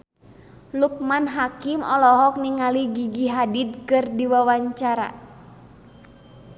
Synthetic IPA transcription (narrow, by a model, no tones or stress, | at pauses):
luk̚manɦakimɔlɔɦɔk̚niŋaliɡiɡiɦadid̚kɨrdiwawaɲt͡ʃaɾa̰